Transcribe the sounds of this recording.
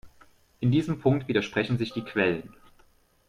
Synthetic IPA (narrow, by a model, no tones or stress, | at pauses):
ʔɪndiːzəmpʰʊŋktv̥iːdɐʃpʁ̥ɛçn̩zɪçd̥iːkʰv̥ɛlən